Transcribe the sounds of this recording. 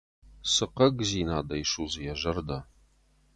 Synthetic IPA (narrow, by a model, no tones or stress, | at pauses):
sɨqɐɡziːnaːd̪ɐjʃuːzɨjɛʒɐrd̪ɐ